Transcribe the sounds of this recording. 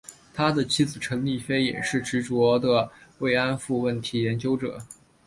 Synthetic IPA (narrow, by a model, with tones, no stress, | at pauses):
t̪ʰa˥d̪ə˨t͡ɕʰi˧˥t͡sɹ̩˨˩ʈ͡ʂʰɤ˧˥ŋli˥˩fe˥ɪjɛ̰˨˩ʂɻ̩˥˩ʈ͡ʂɻ̩˧˥ʈ͡ʂwɔ˧˥d̪ə˨we˥˩ɪa˥nfu˥˧wə˥˩nt̪ʰi˧˥jɛ˧˥nt͡ɕjo˥ʊʈ͡ʂɤ̰˨˩˦